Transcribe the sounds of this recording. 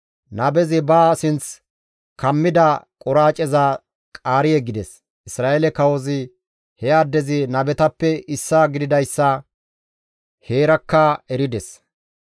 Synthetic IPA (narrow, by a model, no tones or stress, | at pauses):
nɐbɛzɪbaːsɪnt͡s | kɐmːɪd̪ɐkʼɔɾaːt͡ʃʼɛza | kʼaːɾɪjɛɡɪd̪ɛs | ʔɪsɾaːʔelɛkɐwɔzɪ | hɛad̪ːɛzɪnɐbɛt̪ɐpːɛɪsːaːɡɪd̪ɪd̪ɐjsːɐ | he̞ːɾɐkːaɛɾɪd̪ɛs